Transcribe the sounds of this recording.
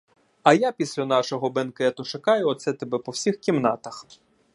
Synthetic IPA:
ɐjapʲisʲlʲɐnɑʃɔɦɔbenkɛt̪ʊʃɐkɑjʊɔt̪sɛt̪ebɛpɔwsʲixkʲimnɑt̪ɐx

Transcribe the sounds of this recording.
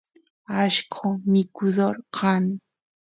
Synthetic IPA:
aʃkʰomɪkʊd̪oɾqʰɑn

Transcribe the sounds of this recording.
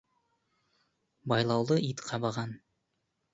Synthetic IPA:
bɑjlˠɑwlˠɤit̪qʰɑbɑʁɑn

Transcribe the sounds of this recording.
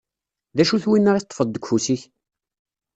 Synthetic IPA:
ðæʃuθwinːaʁiθt̪ˤːfəðˤd̪əkʷːfusiç

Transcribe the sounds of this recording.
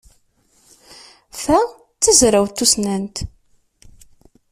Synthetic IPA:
fæ | t͡sːəzɾawt̪ːusnænt̪

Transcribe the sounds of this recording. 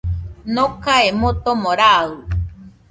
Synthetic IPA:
nokaemot̪omoɾau

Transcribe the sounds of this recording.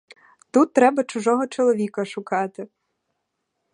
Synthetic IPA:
t̪ut̪ːɾɛbɐt͡ʃʊʒɔɦɔt͡ʃɔlˠɔʋʲikɐʃʊkɑt̪ɪ

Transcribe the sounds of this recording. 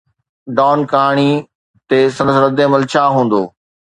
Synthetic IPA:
ɖɔːnkaːɽ̃i | t̪eːsɐ̃nsɾɐd̪ẽmɐlt͡ɕʰaːɦũːn̆d̪oː

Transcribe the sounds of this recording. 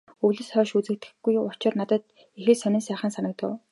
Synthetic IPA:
ɵɣɮɘ̆sχœːʃut͡sɘ̆kt̪ɘ̥̆xɡujʊ̥t͡ɕɪ̆rnat̪ə̆t̪̚ | ixɘ̆ɮsœnʲiːnsæːχə̆nsanə̆k̚t̪ə̰̆w

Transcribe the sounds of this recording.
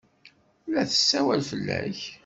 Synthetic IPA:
læθə̥sːæwælfəlːæç

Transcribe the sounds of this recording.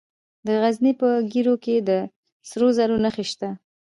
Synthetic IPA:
d̪əɣaznipəɡiɾoked̪ə | sɾozaɾonaxeʃt̪a

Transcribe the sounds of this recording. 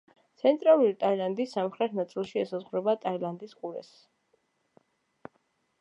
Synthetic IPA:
t̪sʰɛnt̪ʼɾalˠuɾit̪ʼailˠand̪isːamχɾɛt̪̚ʰnat̪sʼilˠʃiɛsazʁwɾɛbat̪ʼailˠand̪isqʼuɾɛ̰s

